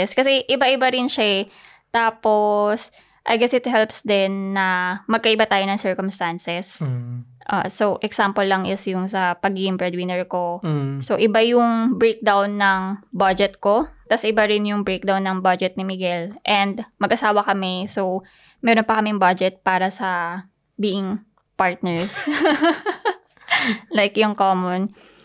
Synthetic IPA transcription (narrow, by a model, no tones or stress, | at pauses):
skɐsɛʔɪbaʔɪbaɾɪnʃa | t̪aːpo̞s | ʔɐjɡɛsɪt̪hɛlpsd̪ɛnːɐmɐɡ̚kɐʔɪbat̪aːjonɐŋsɛɹkomst̪ansɛs | ʔa̰ːsowʔɛksampolːɐŋʔɪsjʊŋsɐpɐɡiːɡɪŋpɹɛd̪wɪnɛɹko̞soʔɪbajʊŋbɹejk̚d̪awnːɐŋbad͡ʒɛt̪̚ko̞t̪ɐsʔɪbaɾɪnjʊŋbɹejk̚d̪awnːɐŋbad͡ʒɛt̪̚nɪmɪɡɛlʔɛnd̪mɐɡʔɐsaːwɐkɐmɛsow | mɛːɾonpɐkɐmɪŋbad͡ʒɛt̪̚paːɾɐsɐ | biːʔɪŋ | paɹt̪̚nɛɹs | lajkjʊŋkoːmon